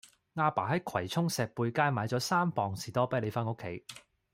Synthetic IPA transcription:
ŋaː˧paː˨˩ɦɐ˨˦jkʰɐ˨˩jt͡sʰʊ˥ŋsɛː˨k̚puː˧jkaː˥jmaː˨˧jt͡sɔː˨˥saː˥mpɔː˨˩ŋsiː˨t̪ɔː˥pɐ˥jle˨˧faː˥nŋo˥kʰːe˨˥j

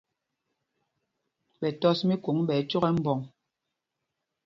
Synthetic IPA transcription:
ɓɛ˨tɔ˦smi˦ko˨˦ŋɓɛː˨˦t͡ʃo˦ɣɛ˦m̩˦bɔ˨ŋ

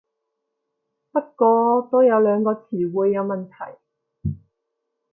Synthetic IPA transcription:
pɐ˥t̚kɔː˧t̪o˥wjɐ˨˧wlœː˨˧ŋkɔː˧t͡sʰiː˨˩wuː˨˧jːɐ˨˧wmɐ˨˩nt̪ʰɐ̰˨˩j

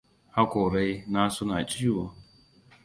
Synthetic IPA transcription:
ha˦kʷʊ˨ɾe˦i˦na˦sʊ˦na˨t͡ʃʼi˦i˦wo˦

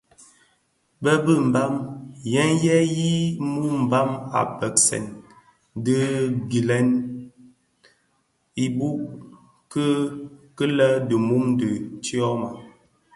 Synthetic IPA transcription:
bə˦bə˦˨m̩˨ba˦mjɛ˦njɛ˦ji˦mu˦m̩˨ba˦ma̰˨pə˨k̚sɛ̰˨n | də˦ɡi˨lɛ˦n | i˦bu˦ʔ | kə˦kə˦lə˦də˨mu˦mdə˨t͡ʃi˦ɔ˦ma˨

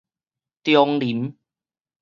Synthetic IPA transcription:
t̪jɔ˧ŋli˨˩˦m

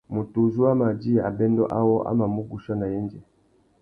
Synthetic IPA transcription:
mu˨tu˨zu˦a˦ma˨d͡ʒi˦a̰˨bɛ˦ndɔ˦ʔa̰˦wɔ˦ʔa̰˦ma˨mu˦ɡu˨ʃa˦na˨jɛ˦nd͡ʒɛ˨

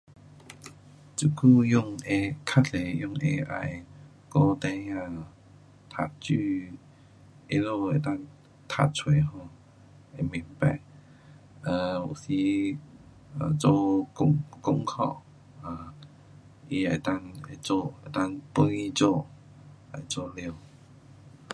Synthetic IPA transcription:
t͡ɕu˧kʰu˥˧jʊ˥˧ŋe˧kʰa˦˥tle˨˩jʊ˥˧˨ŋe˧ʔa̰˧˨j | kɔ˥˧˨t̪ɛ̃˧˦a˧˨ | t̪ʰa˨˩t̚t͡ɕy˥˧˨ | e˧lo˥˧˨e˨˧˨t̪a˥˧ŋ | t̪ʰa̰˧t̚t͡sʰwe˨ɦɔ˧˩ | e˨˧mĩ˨˦ŋpa˨ɪ | ʔa˨˧˩o˨˩si˧˦ | ə˨t͡so˥˧kʊ˧˥ŋkʊ˧ŋkʰɔ̰˥˧˨ | a˧˩ | i˧a˨˩t̪a˥˧ŋe˨˧˩t͡so˥˧˨e˨˩t̪a˥˧˨ŋpu˧˦i˧t͡so˥˧˨ | la˨˩jt͡so˥˧˨li˧˨

